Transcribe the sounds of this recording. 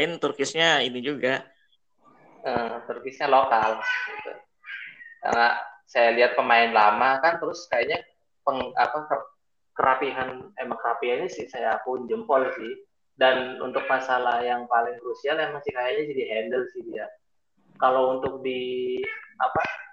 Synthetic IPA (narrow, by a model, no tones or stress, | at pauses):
ɪnt̪urkɪsɲainid͡ʒuɡa | ət̪urkɪsɲalokalɡit̪ṵ | ka̰rna̰sajaliɦat̪̚pəmaɪnlamakant̪əɾʊskajaʔɲa | pəŋa̰pakə | kəɾʔapiɦanemaŋkəɾapiɦanɲasɪhsajapʊɲd͡ʒəmpɔlsɪh | danṵnt̪ʊk̚masalahjaŋpalɪŋkɾusialemaŋsɪhkajaɲad͡ʒadiɦɛndəlsɪhdia | kalount̪ʊk̚di | a̰pa